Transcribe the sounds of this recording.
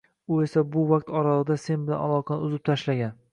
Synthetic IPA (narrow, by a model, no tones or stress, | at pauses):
ʊe̞sabʊvaqt̪ɒɾalɪd̪ase̞nbɪla̰nalˠɒqʰɑnɨ̰ʊzɪp̚t̪ʰaʃlaɡʲan